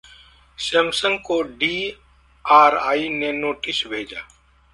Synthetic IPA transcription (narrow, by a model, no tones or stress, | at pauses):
semsə̃ŋɡkoɖiː | aːɾaːinenoːʈɪsbʱeːd͡ʒa̰ː